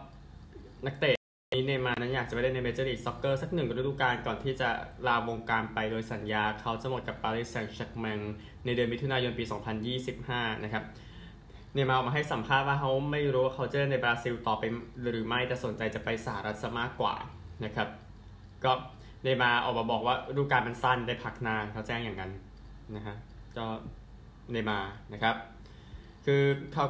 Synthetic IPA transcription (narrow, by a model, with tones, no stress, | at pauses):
na˦˥k̚t̪eː˨˩t̪̚niː˦˥neː˧maː˧na˦˥njaː˨˩a˨˩m˦˩da˥˩na˧meː˦˧˥t͡ɕaː˧liː˧˩sɔ˦˥kːɤː˥˩sa˨˩k̚nɯ˨˩ŋ˧ɾe˦˥duː˧˩kaː˧nkɔː˨˩nt̪ʰiː˥˩t͡ɕa˨˩laː˧wo˧ŋkaː˧npa˧jdoː˧jsa˩˦njaː˧kʰa˦˥wt͡ɕa˨˩mo˨˩ka˨˩p̚ːaː˧liː˦˥˩sɛ˧ŋt͡ɕʰa˦˥k̚mɛ˧ŋ | na˧jdɯ˧nmi˦˥t̪ʰu˧naː˧jo˧npiː˧sɔː˩˦ŋpʰa˧njiː˥˩si˨˩p̚haː˥˩nʔa˦˥kʰa˦˥p̚ | neː˧maː˧ɔ˨˩maː˧ɦa˥˩jsa˩˦mpʰaː˥˩t̪̚waː˥˩kʰa˦˥wma˥˩jɾuː˦˥waː˥˩kʰa˦˥wt͡ɕɤː˥˩na˧jbɾaː˧si˧wt̪ɔː˨˩pa˧jɾɯː˩˦ma˥˩jt̪ɛː˨˩so˩˦nt͡ɕa˧jt͡ɕa˨˩pa˧jsa˧ha˧ɾa˦˥t̪̚sa˦˧˩maː˥˩kːwa̰ː˨˩na˦˥kʰa˦˥p̚ | kɔː˥˩ | neː˧maː˧ʔɔ̰ː˨˩k̚maː˧˩bɔː˨˩k̚waː˥˩ɾuː˥˩kaː˧nma˧nsa˥˩nda˥˩jpʰa˦˩k̚naː˧kʰa˦˥wt͡ɕɛː˥˩ŋjaː˨˩ŋːa˧n | na˦˥kʰa˦˥kɔː˥˩ | neː˧maː˧na˦˥kʰa˦˥p̚ | kʰɯː˧kʰa˦˥w